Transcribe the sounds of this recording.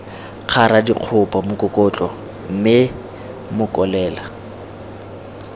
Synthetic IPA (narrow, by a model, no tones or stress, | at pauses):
q͡χʰaɾadḭq͡χʰʊpʼamʊkʼʊkʼɔt͡ɬʼɔ | m̩mɪ | mʊkʼɔlɛːla